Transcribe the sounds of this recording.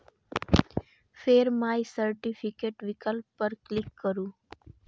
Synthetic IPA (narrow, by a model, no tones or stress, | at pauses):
fʰeːɾmaːjsəɾʈipʰɪkeːʈʋɪkəlpːəɾklɪkːəɾũː